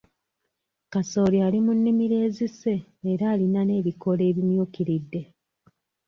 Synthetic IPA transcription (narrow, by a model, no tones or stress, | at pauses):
kaso̞ːlialimunːimiɾe̞ːzise̞ːɾaːlinane̞ːβiko̞le̞ːβimjuːkiɾidːe̞